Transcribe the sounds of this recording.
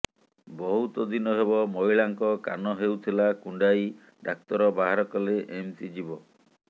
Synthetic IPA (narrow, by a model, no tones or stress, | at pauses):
bɔɦut̪ɔd̪inɔɦeβɔmɔjɭaŋkɔka̰nɔɦewt̪ʰilakuɳɖaj | ɖak̚t̪ɔɾɔbaɦaɾɔkɔleʔemsid͡ʒibɔ